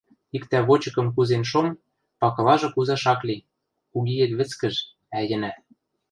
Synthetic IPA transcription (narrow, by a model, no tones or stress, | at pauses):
ikt̪æβot͡ɕɤ̆kɤ̆mkuzenʃom | pɑkɤ̆lɑʒɤ̆kuzɑʃɑklʲi | kuɣijɘ̆kβɘ̆t͡skɘ̆ʒ | æjɘ̆næ